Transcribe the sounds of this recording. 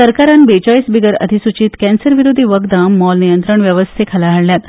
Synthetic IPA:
səɾkaɾanbet͡ɕaisbiɡəɾə̰d̪ʱisut͡ɕiːt̪kɛ̃nsəɾʋiɾod̪ʱiʋəɡd̪amːɔlnijənt̪ɾəɳʋjəʋəst̪ʰekʰəlaɦəɽljat̪

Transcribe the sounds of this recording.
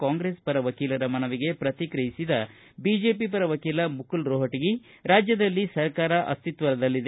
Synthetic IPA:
kaːŋɡɾespɐɾɐʋɐkiːlɐɾɐmɐnɐʋiɡe̞pɾɐt̪ikɾɐjisid̪ɐ | bid͡ʒe̞ːpipɐɾɐʋɐkiːlɐmukʰulɾoːɦɐʈiɡi | ɾaːd͡ʒjɐd̪ɐlːisɐɾkaːɾɐʔɐ̰st̪it̪ʋɐɾɐd̪ɐlːid̪

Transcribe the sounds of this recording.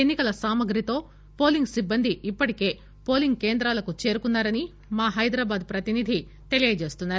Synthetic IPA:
enːikɐlɐsaːmɐɡɾit̪o̞ː | po̞ːliŋɡsibːɐnd̪ʱiipːɐʈike̞ː | poːliŋɡke̞ːnd̪ɾaːlɐkut͡ʃe̞ːɾukunːaːɾɐni | maːɦɐjd̪ɾaːbaːd̪pɾɐt̪inid̪ʱi | t̪e̞lijɐd͡ʒe̞ːst̪unːaːɾu

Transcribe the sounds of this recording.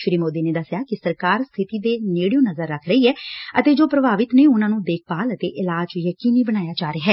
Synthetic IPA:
ʃɾiːmoːd̪eːneːd̪əsjaːkɪsəɾkaːɾst̪ʰɪt̪iːd̪eːneːɽijõːnəzəɾːəkʰɾəiːɦɛːət̪eːd͡ʒoːpɾəbaːʋɪt̪neːʊnãːnũːd̪eːkʰpaːlət̪eːʔɪlaːd͡ʒd͡ʒjəkiːniːbəɽ̃aːjaːd͡ʒaːɾeːɦɛː

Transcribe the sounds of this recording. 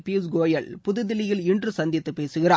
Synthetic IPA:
piːsɡoːjɐɭpʊðɯðɪlɪjɪlɪndrɯsɐnd̪ɪt̪ːɯpeːsɯɣɪra̰ː

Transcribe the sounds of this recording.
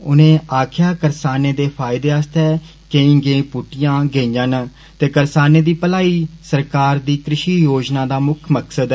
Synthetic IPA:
ʊ̰nẽːʔaːkʰjaːkəɾsaːneːd̪eːpʰaːɪd̪eːəst̪ɛː | keĩːɡẽːpuʈɪjãːɡeːĩən | t̪eːkəɾsaːneːd̪iːpəlaːiːsəɾkaːɾd̪iːkɾɪʃiːjoːd͡ʒnãːd̪aːmʊkʰməksəd̪

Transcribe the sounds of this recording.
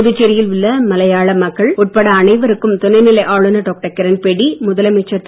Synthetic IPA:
ðɪt͡ʃːɛɾɪjɪlʋɯɭːɐmɐlɐjaːɭɐmɐkːɐɭʊʈ̚pɐɽɐːnɐɪʋɐɾɯkːɯmt̪ʊnɐɪnɪlɐɪʔaːɭɯnɐʈoːk̚ʈɐkːɐɾɐnpɛɽimʊðɐlɐmɛt͡ʃːɐ

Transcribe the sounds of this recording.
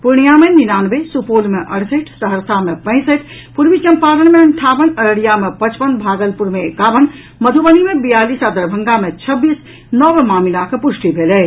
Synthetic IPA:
puɾɽ̃ijameninanbesupolmeʔə̰ɽsəʈʰsəɦəɾsamepə̃ɪ̃səʈʰ | puɾmit͡ʃəmpaɾəñmeəɳʈʰabənəɾəɽijamepət͡ʃpənbʱaɡəlpuɾmeːkabən | məd̪ʱubənimebijalisad̪əɾbʱəŋɡamet͡ʃʰəbːis | nəbmamilakepusʈibʱelɛ

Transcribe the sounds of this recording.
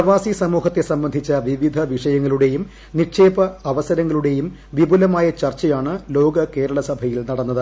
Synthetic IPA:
pɐʋaːsisɐmuːɦɐt̪ːe̞sɐmbɐnd̪ʱit͡ɕːɐʋiʋid̪ʱɐʋiʂɐjɐŋːɐɭuɽe̞jum | niʂeːbɐɐʋɐsɐɾɐŋːɐɭuɽe̞jum | ʋibʱulɐmaːjɐt͡ɕɐrt͡ɕːɐjaːɳɨlo̞ːɡɐke̞ːɾɐɭɐsɐbʱɐjilnɐɽɐnːɐðɨ

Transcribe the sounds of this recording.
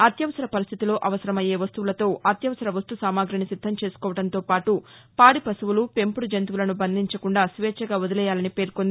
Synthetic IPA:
ɐt̪jɐʋɐsɐɾɐpɐɾist̪ʰit̪ilo̞ːʔɐʋɐsɐɾɐmɐje̞ːʋɐst̪uʋulɐt̪o̞ːɐt̪jɐʋɐsɐɾɐʋɐst̪usaːmaːɡɾɐɳisid̪ʱːɐmt͡ʃeːsu̥kɔːʋɐɽɐnt̪o̞ːpaːʈupaːɽipɐsuʋulupe̞mpuɽud͡ʒent̪̬ʋulɐnubɐnd̪ʱiɲt͡ʃɐkuɳɖaːsʋeːt͡ʃɐɡaːod̪ɐlɛjaːlɐnipe̞ːɾkond̪i

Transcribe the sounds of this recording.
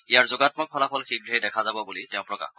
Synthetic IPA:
ijaɹzoɡatmɔkʰːɔlapʰɔlxiɡɹiɛjdɛkʰazabɔbulitɛʊ̃pɹɔka̰x

